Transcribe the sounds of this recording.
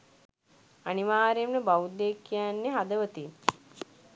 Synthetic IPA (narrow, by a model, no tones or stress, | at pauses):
aniʋaːɾemnəbawud̪ekːijanːeɦad̪əʋət̪in